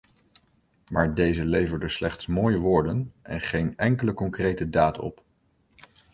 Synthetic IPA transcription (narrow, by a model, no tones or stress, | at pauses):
maːɹdejzəlejvəɹdəslɛχtsmoːjəʋoːɹdənʔɛ̰nχejnɛŋkələkɔŋkrejtədaːtɔ̰p